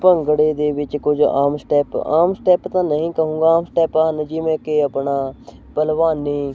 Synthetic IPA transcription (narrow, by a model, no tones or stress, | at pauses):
pəŋɡɽeːd̪eːʋɪt͡ʃkʊd͡ʒa̰ːmsʈɛːpaːmsʈɛːpt̪ãːnəɦĩːkəɦũːŋɡaːaːmsʈɛːpaɦənd͡ʒiːmɛ̃ːkeːəpɳaː | pəlʋaːniː